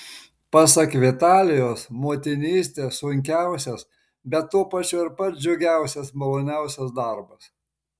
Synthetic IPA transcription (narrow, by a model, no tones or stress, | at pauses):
pɐsɐkʋʲɪt̪ɑːlʲɪjoːsmoːt̪ʲɪnʲiːsʲt̪ʲeːssʊŋʲkʲæˑʊsʲɛs | bʲɛt̪ːuːpɐt͡ʃʲʊːɪɾpɐt̪d͡ʒʲɛʊɡʲæˑʊsʲɛsmɐlˠoːnʲæˑʊsʲɛsd̪ɐˑɾbɐs